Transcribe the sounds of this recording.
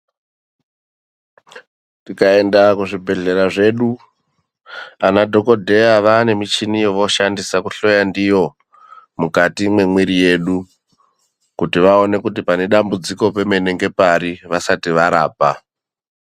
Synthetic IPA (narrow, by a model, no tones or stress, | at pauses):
tikae̞ndakuʐibʱe̞ɮe̞ɾaʐe̞ːɗu | anadʱo̞ko̞dʱe̞jaʋane̞mit͡ʃinijoʋo̞ʃandisakuɬo̞jandijo̞ | mukatimwe̞mwiɾije̞ɗu | kutiʋao̞ne̞kutipane̞ɗambud͡ziko̞pe̞mene̞ŋɡe̞paɾiʋasatiʋaɾa̰ːpa